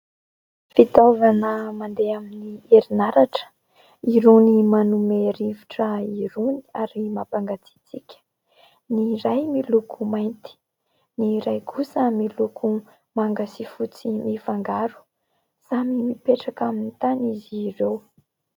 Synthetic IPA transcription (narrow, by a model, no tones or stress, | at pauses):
fit̪ovanəmand̪eaminieɾinaɾaʈ͡ʂə̥ | iɾenimanumeɾiviʈ͡ʂəiɾuniaɾimapaŋɡat͡si̥t͡sikʲə̥ | niɾajmilukʰumajnt̪i̥ | niɾajkʰusəmilukʰu | maŋɡasifut͡simifaŋɡaɾu̥ | z̥amimipeʈ͡ʂakaminit̪aniziɾew